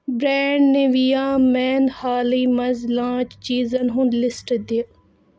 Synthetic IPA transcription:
bɾɛːɳɖneʋijaːmɛːnhaːliːmɐzlãːt͡ʃt͡ʃiːzɐnɦʊ̃ɳɖlɪsʈd̪i

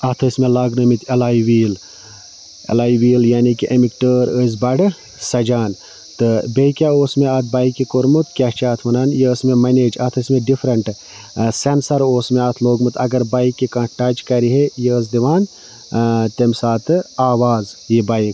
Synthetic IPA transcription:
ɐt̪ʰəsmelaːɡnəmit̪ʰʲɐlaːiʋiːl | ḛlaːiʋiːljaːnikiʔemikʈəːɾəz̬bɐɖ | sɐd͡ʒaːn | t̪ɨbeikʲjaːoːsmeaːt̪̚ʰbaːikikoɾmut̪kʲaːt͡ʃaːt̪ʰmɐnaːnjeəsmemɐneːd͡ʒɐt̪ʰəsmeɖifʰɾɐɳʈ | sensɐɾoːsmeaːt̪ʰloːɡmɨt̪ʰɐɡɐɾbaːikːikãːʈaːd͡ʒkɐɾiɦejeəs̬d̪iʋaːn | t̪emsaːt̪ʰɨaːʋaːzjibaːik

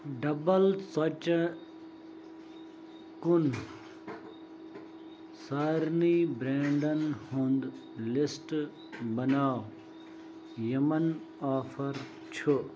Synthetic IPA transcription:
ɖɐbɐlt͡sɐt͡ʃ | kun | saːɾnibɾeːɳɖɐnhũnd̪ | lɪsʈ | bɐnaːw | jɐmɐn | aːfɐɾ | t͡ɕʰu

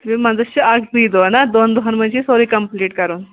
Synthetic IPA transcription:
t̪ʋĩmad͡zəɕəakb̪id̪onad̪ond̪oɦanməɕisoɾiːkəmpliːʈkəɾuːn

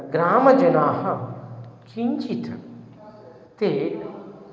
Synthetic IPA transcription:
ɡɾaːməd͡ʒɐnaːɦɐ | kʰint͡ʃit̪ʰɐ | t̪e

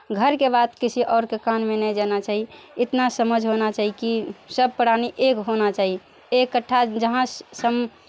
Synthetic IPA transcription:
ɡʱəɾkebat̪kisʰiʔɔːɾkekanmenəd͡ʒanat͡ʃaːɦiɪt̪nasəməd͡ʒʱɦonat͡ʃaːɦikisəb̚pəɽaniʔekɦonat͡ʃaɦi | ekːəʈʰːad͡ʒəɦãssəm

